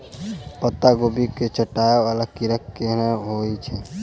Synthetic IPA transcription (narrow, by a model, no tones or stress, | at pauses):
pət̪ːaɡobiket͡ʃəʈːaeʋalakiɾəkːeɦnaɦoit͡ʃʰɛ